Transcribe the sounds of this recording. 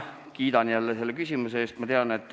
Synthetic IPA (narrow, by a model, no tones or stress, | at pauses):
kiːd̪ɑnjælːese̞lːekysʲimuseeːst̪mɑt̪eɑne̞t̪ːˑ